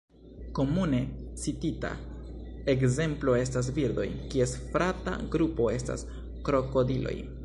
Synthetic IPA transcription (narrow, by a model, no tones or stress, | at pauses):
ko̞mune̞t͡sitita̰ | e̞kze̞mplo̞e̞stas̬viɾd̪o̞̰jkie̞sfɾata̰ɡɾupo̞e̞sta̰s | kɾo̞ko̞dilo̞̰j